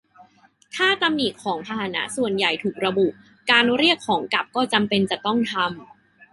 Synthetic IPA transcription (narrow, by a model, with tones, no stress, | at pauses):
t̪ʰaː˥˩t̪a˧mniː˨˩kʰːɔː˩˦ŋpʰa˧haː˨˩˦na̰˦˥su˨˩ənja˨˩jt̪ʰuː˨˩k̚ɾa˧bu˨˩ʔ | kaː˧nɾi˥˩əkʰːɔː˩˦ŋka˨˩p̚kɔː˥˩t͡ɕa˧mpe˧nt͡ɕa˨˩t̪ɔ˥˩ŋt̪ʰa˧m